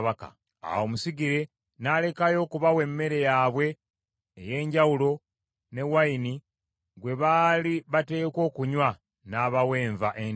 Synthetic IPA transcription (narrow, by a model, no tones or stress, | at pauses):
βaka̰ | a̰wo̞musiɡiɾe̞ | nale̞kajo̞ːkuβawe̞mːe̞ɾe̞jaːβwe̞ː | je̞ːɲɟawulo̞ | ne̞waini | ɡwe̞βaːliβate̞ːko̞ːkuɲwa | naβawe̞ːɱvaʔe